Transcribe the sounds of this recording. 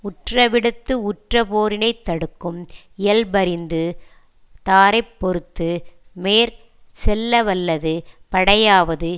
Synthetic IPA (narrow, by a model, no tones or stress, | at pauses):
ʊʈrɐʋɪɽɯt̪ːɯʊʈrɐpoːɾɪnɐɪt̪ːɐɽɯkːɯm | ɪjɐlbɐɾɪnd̪ɯ | t̪aːɾɐɪpːɔɾɯt̪ːɯmeːɾ | sɛlːɐʋɐlːɐðɯpɐɽɐjaːʋɐðɯ